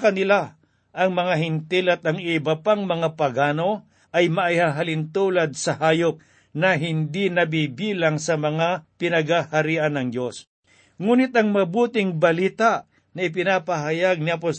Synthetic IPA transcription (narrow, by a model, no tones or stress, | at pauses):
kɐnɪla | ʔɐŋmɐŋaɦɪnt̪ɪlɐt̪̚ɐŋɪbɐpaŋmɐŋapɐɡaːno̞ | ʔɐjmɐʔihaɦalɪnt̪uːlɐd̪̚sɐɦaːjop̚ | nɐɦɪnd̪inɐbibiːlaŋsɐmɐŋapɪnɐɡhahɐɾiːʔɐnɐŋd̪jos | ŋuːnɪt̪ɐŋmɐbuːt̪ɪŋbɐliːt̪aʔ | nɐɪp̬ɪnapɐɦɐjaɡ̚napo